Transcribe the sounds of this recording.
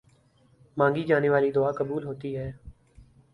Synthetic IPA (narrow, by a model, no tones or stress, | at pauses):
mãːŋɡiːd͡ʒaːneːʋaːliːd̪ʊaːkəbuːlɦoːt̪iːɦɛː